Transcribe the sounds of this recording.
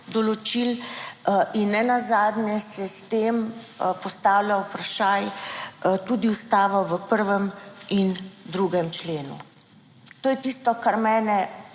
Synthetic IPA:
d̪ɔlɔt͡ʃil | ʔinːɛnazaːd̪njɛsɛst̪eːm | pɔst̪aːwlawpɾaʃaːj | t̪uːd̪iust̪aːʋɔʋəpəɾʋəmind̪ɾuɡɛmt͡ʃleːnṵ | t̪oːjɛt̪ist̪ɔkaɾmɛːnɛ

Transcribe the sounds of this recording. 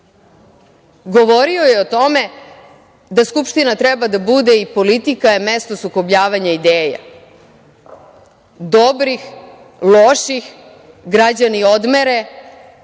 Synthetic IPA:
ɡo̞ʋo̞ɾio̞jeot̪o̞me̞ | d̪askupʃt̪inat̪ɾɛbad̪abud̪eipo̞lit̪ikajeme̞st̪o̞sukobʎaːʋaɲaid̪eːja̰ | d̪o̞bɾix | loʃix | ɡɾad͡ʑanio̞d̪meɾe

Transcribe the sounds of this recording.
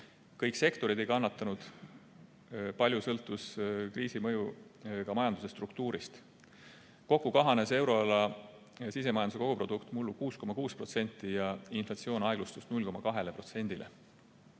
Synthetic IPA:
kɤjkse̞kt̪o̞ɾid̪e̞jkɑnːɑt̪ːˑɑnud̪̥ | pɑlʲjusɤ̞lt̪ːˑuskriːsimɤjukɑmɑjɑnd̪use̞st̪rukt̪uːɾist̪ | ko̞kːˑukɑɦɑnese̞wɾo̞ɑlɑ | sis̬e̞mɑjɑnuseko̞ɡ̥upro̞d̪ukt̪mulːukuːsko̞mɑkuːspro̞t̪se̞nʲt̪ːˑijɑinflɑt̪sio̞ːnɑjɡ̥lust̪ust̪nulʲko̞mɑkɑɦe̞lepro̞t̪se̞nʲd̪ilʔḛ

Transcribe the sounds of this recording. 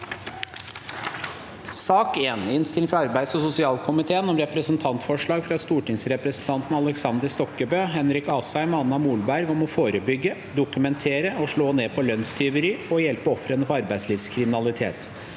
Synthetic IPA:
sɑːkeːnɪnst̪ɪlɪŋfɾɑɑɾbæɪd̪sɔsʊsɪɑːlkʰʊmɪt̪ʰeːənɔmɾɛpɾəsənt̪ʰɑnt̪fɔʂɭɑːɡfɾɑst̪uːʈɪŋsɾɛpɾəsn̩t̪ʰɑnt̪n̩ɑləksɑnd̪əɾst̪ɔkːəbøːɦɛnɾɪkɑːsæɪmɑnnɑmuːlbæɾʋɔmɔfoːɾəbʏɡːə | d̪ʊkʉmɛnt̪ʰeːɾəɔʂɭoːneːpʰɔlœnst̪ʰʏʋəɾɪɔjɛlpəɔfɾənəfɔɾɑɾbæɪsliːfskʰɾɪmɪnɑlɪt̪ʰḛːt̪

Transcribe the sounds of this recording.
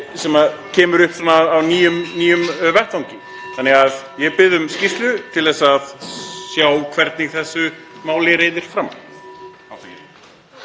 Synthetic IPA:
sɛmaðcʰɛːmʏɾʏhpθanːaːwniːjʏmniːjʏmvɛht̪vawŋcɪ | θanːɛɣaðjɛpɪðʏmscɪst̪lʏt̪ʰɪlθɛsːaðsjaːwkʰvɛɾt̪nɪɣθɛsːʏmaːwlɪɾeːjðɪɾ̥fɾama | awθa

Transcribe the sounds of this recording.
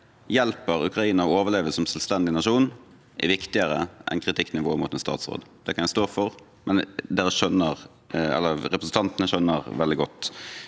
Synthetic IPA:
jɛlpəɾʉkɾɑiːnəɔoːʋəleːʋəsɔmsœlst̪ɛnd̪ɪnɑʂuːn | ʔɪ̰ʋɪkt̪ɪəɾə̰ʔɛ̰nkʰɾɪt̪ʰɪkːnɪʋoːəmʊt̪ɛnst̪ɑ̰ːt̪sʁo̰ːd̪d̪̥ɛkʰɑnjæɪst̪oːfɔʁ | mɛnd̪eːɾəʃœnəʁ | ɛ̰lːəɾɛpɾəsn̩t̪ɑnt̪ənəʃœnːəʁʋɛld̪ɪɡɔt̪ː

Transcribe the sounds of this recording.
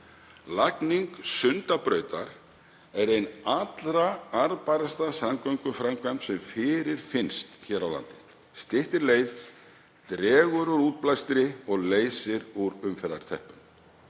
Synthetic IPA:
lakniŋksʏnt̪apɾœːɥt̪a̰ɾ̥ | ɛɾejnat̪lɾaaɾpajɾast̪asamkœjŋkʏfɾajmkʰvampsɛmfɪːɾɪɾ̥fɪnst̪çɛːɾawla̰nt̪ɪ̥ | st̪ɪht̪ɪɾleːjð | t̪ɾɛːɣʏɾʏɾuːt̪̚plajst̪ɪɾɪɔɣleːjsɪɾuɾʏmfɛɾða̰ɾ̥t̪ʰɛhpʏn

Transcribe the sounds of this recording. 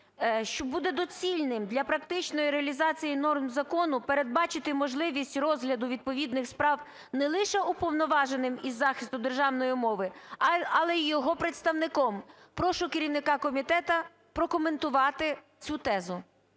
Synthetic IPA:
ʃt͡ʃɔbud̪ɛd̪ɔt͡sʲilʲnɪmd̪lʲɐpɾɐk̚t̪ɪt͡ʃnɔjiɾeɐlʲizɑt͡sʲijinɔrmzɐkɔnʊpeɾe̞d̪̚bɑt͡ʃɪt̪ɪmɔʒlˠɪʋʲisʲtʲrɔzɦlʲɐd̪ʊʋʲid̪̚pɔʋʲid̪nɪxspɾɑw | nɛlˠɪʃɛupɔwnɔʋɑʒenɪmizːɑxʲɪst̪ʊd̪erʒɑwnɔjimɔʋɪɐlˠɛjɔɦɔpɾet̪st̪ɐwnɪkɔm | pɾɔʃʊkeɾʲiwnɪkɑkɔmʲit̪ɛt̪ɐ | pɾɔkɔment̪ʊʋɑt̪ɪ | t͡sʲut̪ɛzʊ

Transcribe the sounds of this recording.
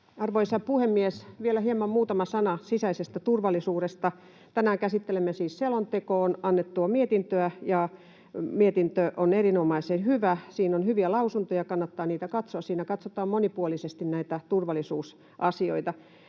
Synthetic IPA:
ɑrʋoisɑpuhemːiesʋielæhiemɑmmuːt̪ɑmɑsɑnɑsisæisest̪æt̪urʋɑlːˑisuːɾest̪ɑ | t̪ænæːkæsit̪ːelemːesiːsselont̪ekoːnɑnːet̪ːuɑmiet̪int̪øæjɑ | miet̪int̪øʔonerinomɑisenhyʋæsiːnonhyʋiælɑusunt̪ojɑkɑnːɑt̪ːɑːniːt̪ækɑt̪soɑssiːnækɑt̪sot̪ɑːmmonipuolisest̪innæit̪æt̪urʋɑlːˑisuːs | ʔɑsio̰it̪ɑ

